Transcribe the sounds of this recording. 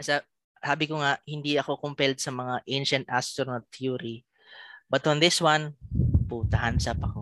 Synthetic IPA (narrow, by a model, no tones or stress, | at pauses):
ɐsa | saːbɪkoŋaʔhɪnd̪iɐko̞kʊmpɛlt̪sɐmɐŋaʔejnʃɐnt̪ʔa̰st̪onɐlt̪ʰjuɾi | bɐt̪ɔ̃nd̪ɪswanpuːt̪ɐhansapɐko